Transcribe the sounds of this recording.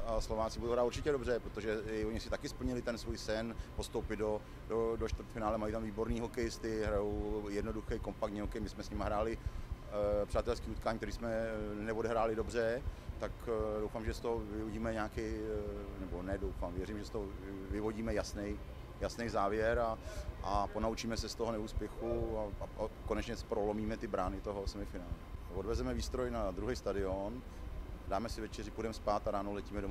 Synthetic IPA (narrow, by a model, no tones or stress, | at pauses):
aslo̞vaːt͡sɪbudowɦɾaːt̪uɾt͡ʃɪcɛdo̞br̝ɛpɾot̪oʒɛoɲɪsɪt̪akɪspl̩ɲɪlɪt̪ɛnsvuːjsɛnpo̞st̪owpɪdo̞ | dodoʃt̪vɾt̪fɪnaːlɛmajit̪amviːbo̞ɾniːɦo̞kɛjɪst̪ɪɦɾajowjɛdnoduxɛjko̞mpak̚t̪ɲiɦokɛjmɪsmɛsɲɪmaɦɾaːlɪ | pr̝̥aːt̪ɛlskiːut̪kaːɲikt̪ɛɾiːsmɛnɛvodɛɦɾaːlɪdo̞brɛt̪akdo̞wfaːmʒɛst̪oɦovɪvoɟiːmɛɲaːkɛjnɛbonɛdowfamvjɛɾimʒɛst̪oovɪvo̞ɟiːmɛjasnɛj | jasnɛjzaːvjɛɾaʔapo̞naut͡ʃiːmɛsɛst̪oɦonɛuːspjɛxuakonɛt͡ʃɲɛspɾolomiːmɛt̪ɪbɾaːnɪt̪o̞ɦo̞sɛmɪfɪnaːlɛavodvɛzɛmɛviːst̪ɾo̞jnad̪ɾuɦɛjst̪adɪon | daːmɛsɪvɛt͡ʃɛrɪpudɛmɛspaːt̪aɾaːnolɛciːmɛdom